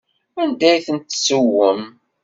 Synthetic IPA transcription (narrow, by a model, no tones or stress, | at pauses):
ænd̪æjθənt̪ːsəwəm